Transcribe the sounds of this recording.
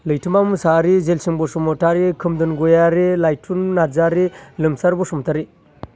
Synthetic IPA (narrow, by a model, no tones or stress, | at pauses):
lɯjtʰimamusaɾizelsiŋbosumɔtʰaɾikʰɯmdɯnɡojaɾilajtʰunːazaɾilɯmsaɾbɔsɔmɔtʰaɾi